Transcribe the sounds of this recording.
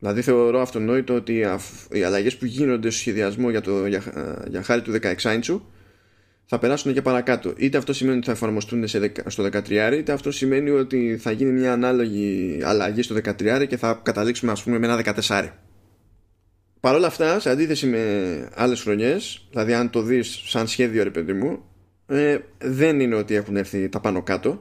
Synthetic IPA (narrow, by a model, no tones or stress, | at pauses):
ðilɐðiθe̞o̞ɾo̞ɐft̪o̞no̞it̪oo̞t̪iɐfḭɐ̰lɐʝe̞spuʝino̞nd̪e̞st̪osçe̞ðiɐzmo̞ʝɐt̪oʝɐjɐ̰xɐɾit̪uðe̞kɐe̞ksɐjnt͡su | θɐpe̞ɾɐsune̞ce̞pɐɾɐkɐt̪o̞̰ʔit̪e̞ɐft̪o̞sime̞nio̞t̪iθɐe̞fɐɾmo̞st̪uneseðekst̪o̞ðe̞kɐt̪ɾiɐɾiit̪e̞ɐft̪o̞sime̞nio̞t̪iθɐʝinimɲɐːnɐlo̞ʝiɐ̰lɐʝist̪oðe̞kɐt̪ɾiɐɾice̞θɐkɐt̪ɐliksumeɐspume̞meenɐðe̞kɐt̪e̞sɐɾḭ | pɐɾo̞lɐft̪ɐseɐnd̪iθe̞sime̞ɐ̰le̞sxɾo̞ɲe̞sðilɐðiɐnt̪o̞ðisːɐnsçe̞ðio̞ɾe̞pe̞ðimu | eðe̞nine̞o̞t̪ie̞xune̞ɾθit̪ɐpɐno̞kɐt̪o̞